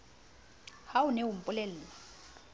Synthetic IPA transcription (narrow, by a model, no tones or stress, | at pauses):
hawunewum̩pʼulɛlɛːlɔ